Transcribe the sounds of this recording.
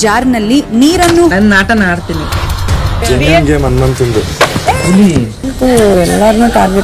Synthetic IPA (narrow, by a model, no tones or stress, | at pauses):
d͡ʒaːɾnɐlːiniːɾɐnːunɐnnaːʈɐnaːɽt̪iːni | d͡ʒeniiŋɡeːmɐnmɐnt̪ind̪u | uli | t̪uɛlːaɾnuːʈaːɾɡe